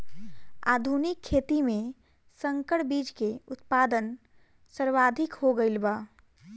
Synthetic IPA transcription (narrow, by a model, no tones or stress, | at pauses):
a̰ːd̪ʱunɪkʰːeːt̪imẽ | sə̃ŋkəɽbiːd͡ʒkeʊt̪paːd̪ən | səɾʋaːd̪ʱɪkɦoɡəɪlbaː